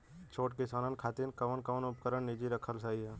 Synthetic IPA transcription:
t͡ʃʰoːʈkisaːnənkʰaːt̪inkɐʋənkəʋənʊp̚kəɾəɳnːid͡ʒiɾəkʰəlsaːiɛ

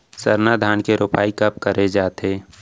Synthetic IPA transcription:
sɐɾnad̪ʱaːnkeɾoːpaːikɐp̚kəɾed͡ʒaːt̪eː

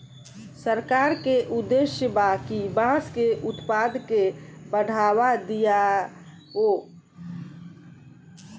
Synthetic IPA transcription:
səɾkaːɾkeʔʊd̪ːeʃjəbakibãːskeʔʊt̪paːd̪kebəɽ̤ʱaːwad̪ija | ɦo

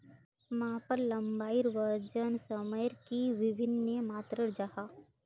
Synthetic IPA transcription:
maapəɾlɐmbaːiɾʋəɾd͡ʒənsəməjɾkiʋɪbʱɪnːemaːt̪ɾəɾd͡ʒahaː

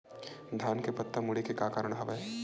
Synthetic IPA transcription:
d̪ʱjaːnkepɐt̪ːəmʊɽekekaːkaːɾəɳ̃ɦɐʋɐe

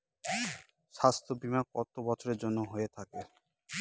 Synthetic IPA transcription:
ʃast̪ʰobimakɔt̪obɔt͡ɕʰoɾeɾd͡ʑonːoɦoet̪ʰake

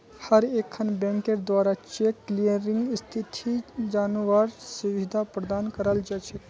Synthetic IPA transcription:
həɾekʰːənbɛ̃ŋkeɾd̪waːɾat͡ʃekːlijəɾɪŋɡst̪ʰit̪ʰid͡ʒaːnuʋaɾsəʋid̪apɾəd̪aːnkəɾəld͡ʒaːt͡ʃʰɛ

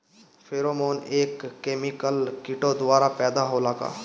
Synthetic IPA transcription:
fʰeːɾoːmoːneːkːeːmɪkəlkɪʈod̪ʋaːɾapɛːd̪aɦolaːka̰ː

